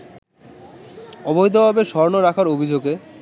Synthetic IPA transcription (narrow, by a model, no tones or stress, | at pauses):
ɔbojd̪obʱɔbeʃɔɾnoɾakʰaɾobʱid͡ʑoɡe